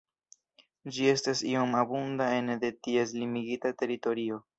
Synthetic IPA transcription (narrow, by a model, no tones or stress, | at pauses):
d͡ʒie̞stasio̞mabundae̞nde̞tie̞s̬limiɡitate̞ɾito̞ɾio̞